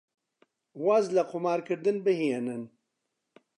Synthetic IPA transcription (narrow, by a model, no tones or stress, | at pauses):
wazlaqʰʊmaːɾkɨɾd̪ɨnbɨhienɨn